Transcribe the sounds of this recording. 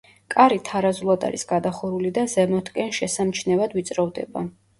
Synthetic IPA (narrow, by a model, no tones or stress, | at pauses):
kʼaɾit̪ʰaɾazulˠad̪a̰ɾisɡad̪aχɔɾulid̪azɛmɔt̪ʰkʼɛnʃɛsamt͡ʃʰnɛvad̪vit̪sʼɾɔvd̪ɛ̰ba